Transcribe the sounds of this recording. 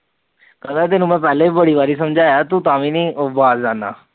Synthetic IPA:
kəlat̪eːnũmɛ̃ːpɛːleibəɽiʋaːɾis̬ɐmd͡ʒaːjat̪ut̪aːʋiniʔobaːsd͡ʒaːna̰ː

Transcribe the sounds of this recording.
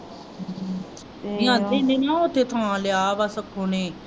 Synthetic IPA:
ɪãːt̪eːnenãːot̪ʰːeːt̪ʰãlɪaːʋaːsəkʰːõːneː

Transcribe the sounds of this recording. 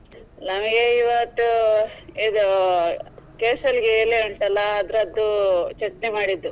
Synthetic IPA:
nɐmɐɡeiʋɐt̪ːu | id̪u | keːsɐlɡeleuɭʈɐlːɐːd̪ɾɐd̪ːut͡ʃɐʈnemaːɽid̪ːu

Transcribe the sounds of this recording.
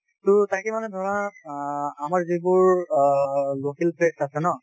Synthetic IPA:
tʊtakɛmanɛd̪ʱɔɹa | amaɹzibʊɹ | lokɛlpʰesasɛnɔ

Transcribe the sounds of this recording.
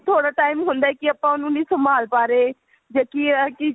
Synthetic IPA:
t̪ʰoːɽaːʈaːimɦʊ̃nd̪aɛːkɪapãːʊnũːnĩːsəmaːlpaːɾeː | d͡ʒeːkikɪ

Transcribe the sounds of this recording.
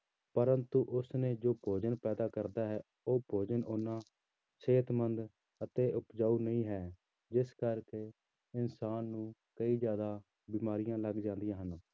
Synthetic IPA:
pəɾə̃nt̪uːʔʊsneːd͡ʒoːbʱoːd͡ʒənpɛːd̪aːkəɾd̪aːɦɛː | oːbʱoːd͡ʒənʊnãː | t͡ʃʰeːt̪mənd̪ | ət̪eːʔʊpd͡ʒaːuːnəĩːɦɛː | d͡ʒɪskəɾkeː | ɪnsaːnːũːkəiːd͡ʒjaːd̪aː | biːmaːɾɪjãːləɡd͡ʒãːnd̪ijãːɦən

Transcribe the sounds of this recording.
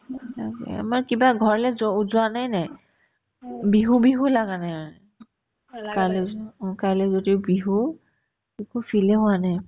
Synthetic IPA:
a̰ɡɛ̰a̰maɹkibaɡʱɔɹlɛzɔuzʊanajnaj | biɦubiɦulaɡanaj | kalukalɛzodibiɦu | ekufilɛɦʊwanaj

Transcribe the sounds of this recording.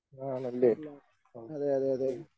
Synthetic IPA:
nanɐlːe | ɐðeɐðeɐðe

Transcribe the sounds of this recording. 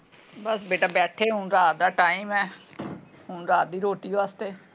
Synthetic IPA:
bəsbeːʈaːbɛːʈʰeːɦʊɳɾaːd̪aːʈaːiːmɛ̃ː | ɦʊɳɾaːd̪iːɾoːʈiːʋaːst̪eː

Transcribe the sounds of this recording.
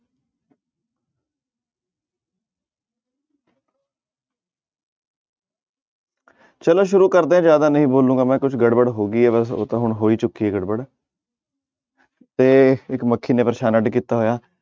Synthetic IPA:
t͡ʃəloːʃ̬ʊɾuːkəɾd̪eːɛ̃ːd͡ʒjaːd̪aːnəɦĩːboːlũːɡaːmɛ̃ːkʊt͡ʃʰɡəɽbəɽɦoːɡiːɛːbəso̰ːt̪ãːɦʊɳɦoːiːt͡ʃʊkːiːɦɛːɡəɽbəɽ | t̪eːɪkməkʰːiːnẽːpəɾeʃaːnəɖkiːt̪aːɦoːjaː

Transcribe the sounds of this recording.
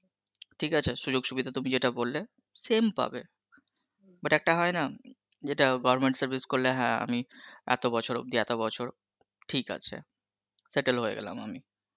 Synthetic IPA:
ʈʰikat͡ɕʰeʃud͡ʑoɡʃubid̪ʱat̪umid͡ʑeʈabolːe | sempa̰be | baʈɛk̚ʈaɦɔena | d͡ʑeʈaɡɔɾmeɳʈsaɾbiskoɾleɦɛ̃a̰miɛ̰t̪obɔt͡ɕʰoɾo̰b̚d̪iɛt̪obɔt͡ɕʰoɾ | ʈʰika̰t͡ɕʰḛ | seʈelɦoḛɡɛ̰la̰mami

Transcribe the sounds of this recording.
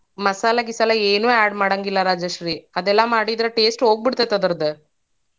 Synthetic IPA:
mɐsaːlɐɡisɐlɐeːnuaːɾɖmaːɽɐŋɡilːɐɾaːd͡ʒeʃɾiːɐd̪ɛlːɐmaːɽid̪ɾɐʈeːsʈɦoːɡ̚biɽt̪et̪ɐd̪ɐɾɐd̪u

